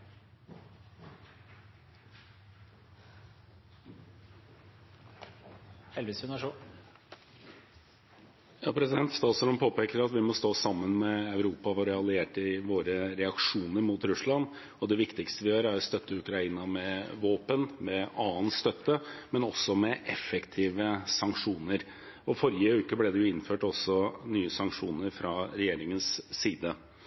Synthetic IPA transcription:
hɛlʋɪsʉnəʂu | jɑːpʰɾɛsɪd̪ɛnt̪st̪ɑːt̪sɔɾɔmpʰoːpeːkəɾɑt̪ʋɪmɔst̪oːsɑmːənmɛɑʉɾuːpɑʋɑɾɛɑlɪeːʈɪʋoːɾəɾɛɑkʂuːnəɾmʊt̪ɾʉslɑn | ɔd̪ɛʋɪkt̪ɪkst̪əʋɪhøːɾæɾɔst̪œt̪ːəʉkɾɑiːnɑmɛʋoːpənmɛɑːənst̪œt̪ːəmɛnɔsːɔmɛʔɛfɛkt̪ʰiːʋəsɑŋkʂuːnəɾ | ɔfɔɾɪəʉːkəblɛd̪ɛjʊɪnføːʈɔsːɔnyːəsɑŋkʂuːnəɾfɾɑɾɛjeːɾɪŋənsːiːd̪ə

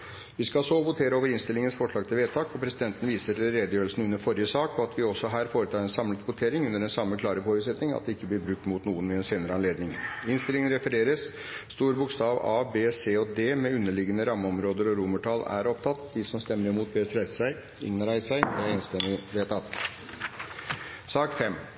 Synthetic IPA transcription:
ʋɪskɑsoʋʊt̪ʰeːɾəoːʋəɾɪnst̪ɪlɪŋənsfɔʂɭɑːɡt̪ʰɪlʋeːt̪ʰɑːkɔpʰɾɛsɪd̪ɛnt̪ən̩ʋiːsəɾɛləɾeːd̪əjøːɾəlsn̩ʉnːəɾfɔɾɪəsɑːkɔɑt̪ʰʋɪɔsːɔɦæːɾfoːɾət̪ʰɑːɾɛnsɑmlət̪ʋʊt̪ʰeːɾɪŋʉnːəɖɛnsɑmːəkʰlɑːɾəfoːɾʉːt̪sɛt̪nɪŋɑ̰t̪̚d̪ɛɪkːəb̪ɪɾbɾʉk̚t̪mʊt̪nuːənmɛɛnseːnəɾəɑnleːd̪nɪŋɪnst̪ɪlɪŋənɾɛfəɾeːɾəsː | t̪uːɾbʊkst̪ɑːʋɑ̰ːbeːseːɔd̪eːmɛʉnːəɭɪɡənəɾɑmːəɔmɾoːd̪əɾɔɾuməʈʰɑːlæ̰ɾɔp̚t̪ʰɑt̪ːd̪ɪsɔmst̪ɛmːəɾɪmuːt̪̚beːst̪ɾæɪssæɪ | ɪ̰nɾæɪsæɪɛɾɛːnst̪ɛnɪʋeːt̪ʰɑt̪ | sɑːkfɛmː

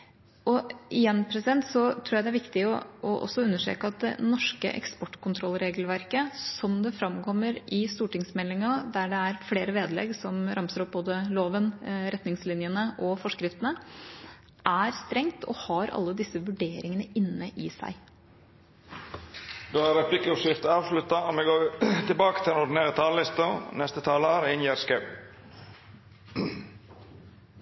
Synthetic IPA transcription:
ʔɔɪjɛnːpʰɾɛsɪd̪ɛnt̪sɔt̪ʰɾuːjæɪd̪æɾʋɪkt̪ɪɔɔʔɔ̰sːɔʉnːəʂʈḛːkəɑt̪̚d̪ɛ̰nɔʂkə̰ʔɛ̰kspɔʈːkʊnt̪ʰɾɔlːɾeːɡəlʋæɾkəsɔmd̪ɛfɾɑmkʰɔmːəɾɪst̪uːʈɪŋsmɛlːɪŋɑd̪æɖɛæɾfleːɾəʋeːd̪lɛ̰ɡsɔmɾɑmsəɾɔp̚boːd̪əloːʋənɾɛt̪nɪŋslɪnjənəʔɔfɔʂkɾɪft̪ənə | ʔæɾst̪ɾɛŋt̪ʰɔ̰hɑɾɑ̰lːəd̪ɪsːəʋʉɖeːɾɪŋənəʔɪnːəʔɪsæ̰ɪ | d̪oːæɾɛpʰlɪkəɔʃɪft̪əɑːʋslʉt̪ɑɔmɛɡoːt̪ɪlbɑːkət̪ʰɪlɛnɔɖɪneːɾət̪ʰɑːllɪst̪ənɛst̪ət̪ʰɑːləɾɪnjeːɾskɑʉ

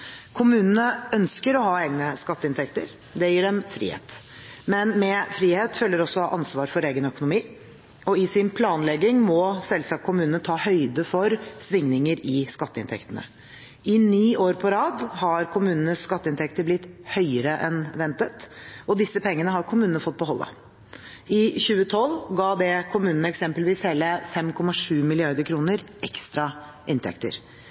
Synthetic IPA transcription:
kʰʊmʉːnənəœnskəɾɔhɑːeːɡnəskɑt̪ːəɪnt̪ʰɛkt̪ə̰ɾ | d̪ɛjiːɖɛmfɾḭhḛːt̪ | mɛnmɛfɾiːheːt̪fœlːəɾɔsɔʔɑnsʋɑːɾfɔɾeːɡənœkʊnʊmiː | ɔɪsɪnpʰlɑːnlɛɡɪŋmɔsɛlsɑkʰːʊmʉːnənt̪ʰɑːhœʏd̪əfɔɾsʋɪŋnɪŋəɾɪskɑt̪ːəɪnt̪ʰɛ̰kt̪ənə̰ | ʔɪniːʔoːɾpʰɔɾɑːd̪hɑɾkʰʊmʉːnənəsskɑt̪ːəɪnt̪ʰɛkt̪əblɪt̪ːhœʏəɾəʔɛnʋɛnt̪ət̪ɔd̪ɪsːəpʰɛŋːənəɦɑɾkʰʊmʉːnənəfɔt̪̚ːbəɦɔlːə̰ | ɪçʉːət̪ʰɔlɡɑːd̪ɛkʰʊmʉːnənəɛksɛmpəlʋiːsheːləfɛmkʰɔmɑʂʉːmɪlɪɑɾd̪əkʰɾuːnəɾʔɛkst̪ɾɑ | ʔɪnt̪ʰɛ̰kt̪ə̰ɾ

